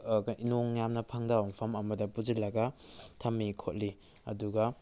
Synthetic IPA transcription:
inoŋjamnɐpʰaŋdawŋpʰɐmɐmɐdɐpud͡ʒilːɐɡɐtʰɐmːikʰot̚li | ɐ̰duɡɐ

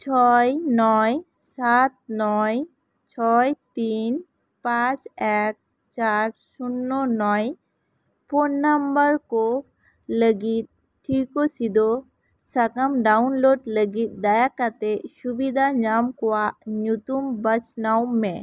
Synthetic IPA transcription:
t͡ʃʰɔjnɔj | sat̪̚nɔj | t͡ʃʰɔjt̪in | pãt͡ʃɛk̚ | t͡ʃaɾsunːɔnɔj | pʰonːambəɾkɔ | ləɡit̪̚ | ʈʰːikɔsid̪ɔ | sakamɖawnloɖləɡit̪̚ˀd̪ajakat̪ɛsubid̪ʱaɲamkɔwaʔɲut̪umbət͡ʃnawmːɛ̃

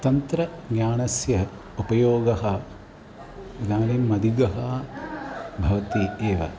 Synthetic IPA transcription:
t̪ɐnt̪ɾɐnjaːɳɐsjɐ | upɐjoːɡɐɦɐ | ɾɐd̪ʱaːnimːɐd̪iɡɐɦɐ | bʱɐʋɐt̪ieːʋɐ̰

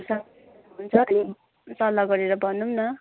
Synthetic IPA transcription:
sʌ | unt͡sʰʌo | sʌlːʌɡʌɾeɾʌbʱʌnumnʌ

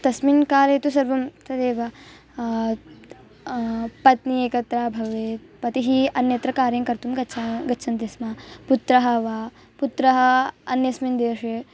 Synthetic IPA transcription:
t̪ɐsminkaːleːt̪usɐɾʋɐmt̪ɐd̪eːʋɐ | pɐt̪nieːkɐt̪ɾaːbʱɐʋeː | pɐt̪iɦiɐnjɐt̪ɾɐkaːɾjɐŋkɐɾt̪umɡɐt͡ʃʰaɡɐt͡ʃʰɐnt̪esmaːput̪ɾɐɦɐʋaː | put̪ɾɐɦɐɐ̰njɐsmind̪eːʂeː

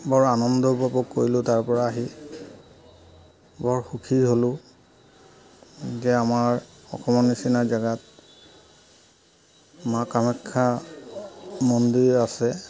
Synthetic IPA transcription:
bɔɹanɔndɔpɔpɔkːoɹilʊ̃taɹpɔɹaːɦi | bɔɹxukʰiɹɦolʊ̃ | zɛamaɹ | ɔ̰kʰɔmɔnisinazaɡat̚ | makamɛkʰːa | mɔndiɹasɛ

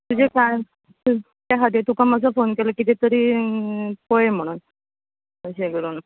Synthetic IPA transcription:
t̪ud͡ʑekaj̪ | u | t̪jaɦat̪et̪ukʰaməd͡zafonkeləkit̪et̪əɾiː | kojem̤əɽ̃uːn | əɕeɡəɾuːn

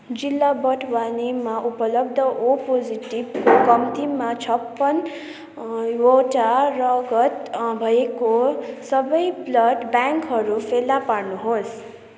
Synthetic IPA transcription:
d͡zilːabʌʈʰwanimaʔupʌlʌb̚d̪ʱʌʔopod͡ziʈibkʌmt̪imat͡sʰʌpːʌn | woʈarʌɡʌt̪bʱʌekosʌbʌjblʌɖbjaŋkɦʌɾupʰelːapaɾnuɦos

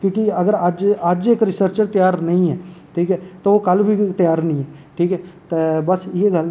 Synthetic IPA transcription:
kjõːkiɐɡəɾəd͡ʒəd͡ʒeːkɾɪsəɾt͡ʃəɾt̪jaːɾnɐĩɦɛːʈʰiːkɦɛːt̪oʋokɐlbʱit̪əjaːɾnəĩɦɛʈʰiːkɦɛːt̪ebɐseɡɐl

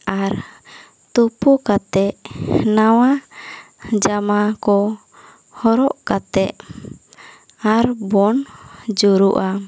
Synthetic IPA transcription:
aɾ | t̪upukat̪ɛʔnawa | d͡ʒamakɔ | hɔɾɔʔkat̪ɛʔ | aɾbɔnd͡ʒuɾuʔa

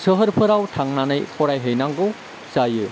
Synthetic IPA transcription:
sɯɦəɾpʰɯɾawtʰaŋnanɯjpʰɔɾajɦɯjnaŋɡɯw | sajɯ

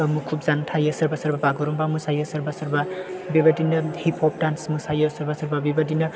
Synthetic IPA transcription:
mukʰubd͡zant̪ʰajəsʌɾbasʌɾbabaɡuɾumbamusajəsʌɾbasʌɾbabibad̪inʌhipʰop̚dansmusajəsʌɾbasʌɾbabibad̪inʌ

